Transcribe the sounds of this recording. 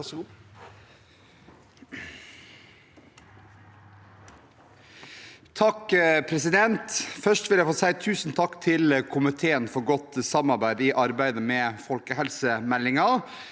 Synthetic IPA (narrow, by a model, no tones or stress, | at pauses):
t̪ʰɑkpʰɾɛsɪd̪ɛnt̪fœʂʈʋɪljæɪfoːsæɪt̪ʰʉːsn̩t̪ʰɑkːt̪ʰɪlkʰʊmɪt̪ʰeːənfɔɾɡɔt̪sɑmɑɾbæɪd̪iʔɑɾbæɪd̪əmɛːfɔlkəhɛlsəmɛlːɪŋɑ